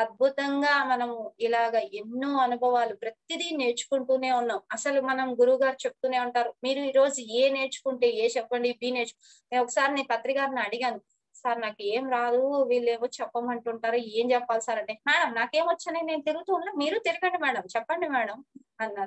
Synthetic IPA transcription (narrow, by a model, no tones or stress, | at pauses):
ɐd̪̚bʱut̪ɐŋɡaːmɐnɐmilaːɡaːʔenːuːɐnubʱɐʋaːlupɾɐt̪id̪ine̞ːt͡ʃu̥kuɳʈuːne̞ːunːaːmɐsɐlumɐnɐmɡuɾuʋɡaːɾit͡ʃep̚ut̪uːne̞ːuɳʈaːɾumiːɾuiːɾo̞ːd͡ʒueːne̞ːt͡ʃu̥kuɳʈeːeːt͡ʃɛpːɐɳɖibiːne̞ːɾt͡ʃu̥k | neːnɔkːɐ̥saːɾinenpɐt̪ɾiɡaːɾniɐɽiɡaːnu | saːɾinaːkueːmɾaːd̪uʋiːlːeːʋoːt͡ʃɛpːɐmɐɳʈuɳʈaːɾue̞ːmd͡ʒɛpːaːlusaːɾɐɳʈeːmɛːɽɐmnaːke̞ːmʋɐt͡ʃːanine̞ːnut̪eɾuɡut̪uːunloːmiːɾut̪iɾuɡɐɳɖimɛːɽɐmt͡ʃɛpːɐɳɖimɛːɽɐm | ɐnːa